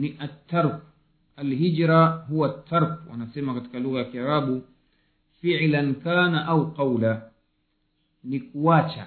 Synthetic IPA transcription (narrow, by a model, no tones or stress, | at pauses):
niʔat̪ːaɾk | alɦid͡ʒɾaɦuwat̪ʰːaɾkwa̰nasɛmakati̥kaluɣajakiaɾaɓu | fiʕlankaːnaʔawqɑwla | nikuat͡ʃa̰